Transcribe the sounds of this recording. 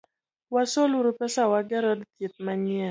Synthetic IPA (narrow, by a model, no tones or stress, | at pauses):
wasoluɾupɛsawaɡɛɾɔdt̪jɪt̪̚maɲɛ